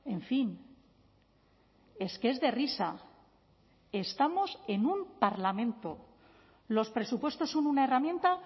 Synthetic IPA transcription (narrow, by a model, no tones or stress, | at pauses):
e̞ɱfin | e̞skee̞zðe̞risa | e̞st̪amo̞se̞numpaɾlamẽ̞nt̪o̞ | lo̞spɾe̞supwe̞st̪o̞sːo̞nunae̞ramjẽ̞nt̪a